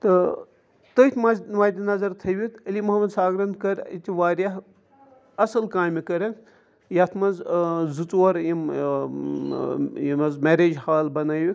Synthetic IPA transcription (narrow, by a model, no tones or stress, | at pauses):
t̪ɨ | t̪ət̪ʲʰmɐzʲʋaːd̪ʲinɐzɐɾt̪ʰɐʋit̪ʰɐlimɐɦɐmɐd̪saːɡɾɐnt̪kɐɾʲit̪ʲiʋaːɾʲjaɦ | ɐsɐlkaːmikɐɾɐ | jat̪ʰmɐnzzut͡swɐɾjim | jimɐzmeɾeːd͡ʒhaːlbɐnaːʋik